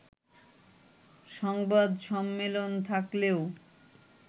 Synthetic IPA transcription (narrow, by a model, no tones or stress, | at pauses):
ʃɔŋbad̪ʃɔmːelont̪ʰakleo